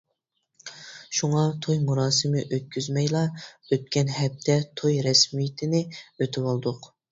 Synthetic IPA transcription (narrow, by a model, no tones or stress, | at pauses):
ʃuŋɑt̪ʰojmuɾɑːsɪmɪʔøt̪̚kʲʰyzmɛjlˠɑøt̪̚kʲɛnɦɛp̚t̪ʰɛt̪ʰojɾɛsmijt̪ʰɪnɪøt̪ʰɪwɑlˠd̪ʊq